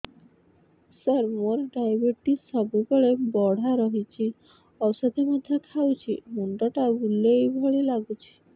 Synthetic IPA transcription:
səɾmoɾɖajbeɾʈisɔbukɔɭebɔɽ̤aɾɔɦit͡ɕʰi | ɔsad̪emɔd̪ʱːekʰawt͡ɕʰimuɳʈaʈabulːejbʱɔɭilaɡut͡ɕʰi̥

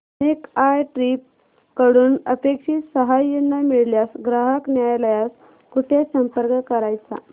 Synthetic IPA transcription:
ənekajʈɾiːp̚ | kəɽuːnəpekʂiːsəɦajːenːamiɭljasɡɾaɦəknjajləjas | kuʈʰjasəmpəɾkəkəɾajt͡sa̰

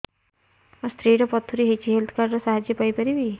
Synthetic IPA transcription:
ɔst̪ʰɾiːɾɔpɔt̪ʰːuɾiɦet͡ʃiɦelt̪ʰkaɾɾɔsaɦad͡ʒjəpajpɐɾibi

